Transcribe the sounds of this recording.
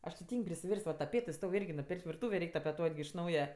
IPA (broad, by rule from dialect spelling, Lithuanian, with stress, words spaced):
ˈɐʃ tʲɪ ˈtʲiːŋʲkʲ pʲrʲɪsʲɪˈʋʲɛrʲsʲtʲ ʋɐ tɐˈpʲeːtɜ ˈstoːw ˈɪrʲɡʲɪ ˈnɐʊj nʊˈpʲeːrʲkʲtʲ ʋʲɪrˈtuːʋʲeː ˈrʲɛɪkʲ tɐpʲɛˈtuɔtʲ ɡʲɪ ɪʃ ˈnɐʊjɛ